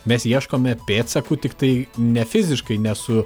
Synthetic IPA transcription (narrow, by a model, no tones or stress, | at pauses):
mʲɛsjiɛʃkoːmʲɛpʲeːt̪sɐkut̪ʲɪkt̪ɐɪnʲɛfʲɪzʲɪʃkɐɪnʲɛsʊ